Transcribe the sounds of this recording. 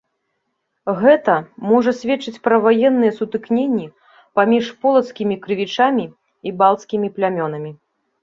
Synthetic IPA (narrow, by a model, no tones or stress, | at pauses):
ɣɛt̪ɐmɔʐɐsʲvʲɛt͡ʂːɨt͡sʲpɾɐvajɛnːɨjɛsut̪ɨknʲenʲːi | pamʲiʂpɔlˠɐt̪skʲimʲikɾɨvʲit͡ʂamʲiː | balˠt̪skʲimʲiplʲamʲɔnɐmʲi